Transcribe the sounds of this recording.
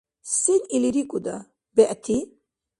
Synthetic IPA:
siniliɾikʼud̪a | bɛʔt̪ʰi

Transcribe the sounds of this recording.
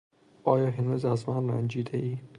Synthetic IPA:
ʔɒːjɒːɦenɾuːzæzmænræ̰nd͡ʒiːd̪eʔiːn

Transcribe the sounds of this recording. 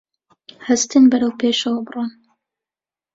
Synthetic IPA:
hɐst̪ɨnbɐɾɐwpʰeːʃɐwɐbɨrun

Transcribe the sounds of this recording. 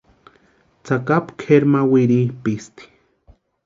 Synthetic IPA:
t͡sakapkʰeɾmawiɾipist̪i̥

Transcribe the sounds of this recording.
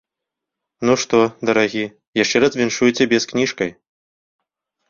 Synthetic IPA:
nuʂt̪ɔd̪ɐɾaɣʲi | jaʂt͡ʂɛɾɐzvʲinʂujt͡sʲɛbʲɛsknʲiʂkɐj

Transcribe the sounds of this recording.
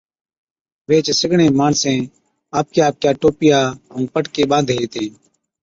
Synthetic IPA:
ʋeːt͡ʃsɪɡɳẽːmaːɳsẽː | aːp̚kjaːp̚kjaːʈoːpɪjaːɦũːpəʈkeːɓãːnd̪ɦeːt̪ẽː

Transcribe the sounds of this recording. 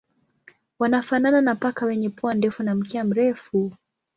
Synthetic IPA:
wanafanananapakawɛɲɛpuandɛfunam̩kɛam̩ɾɛfu

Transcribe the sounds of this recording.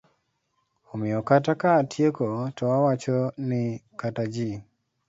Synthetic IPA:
umɛɔkatakatʰjekɔtɔawat͡ʃɔnikatad͡ʒi

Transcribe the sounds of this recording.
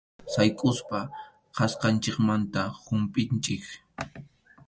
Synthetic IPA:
sajkʼʊspa | qɑsqɑnt͡ʃɪkmant̪ahʊmpʼɪnt͡ʃɪk

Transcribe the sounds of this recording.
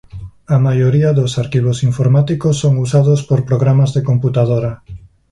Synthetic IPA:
ɐmajoɾiɐðosaɾkiβ̞osiɱfoɾmat̪ikosːoŋusaðospoɾpɾoɣɾamazðekomput̪aðoɾɐ

